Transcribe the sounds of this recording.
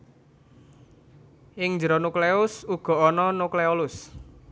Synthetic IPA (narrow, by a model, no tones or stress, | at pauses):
ʔɪŋɲd͡ʒəɾɔnukleʊsuɡ̥ɔ̤ɔnɔnukleolʊs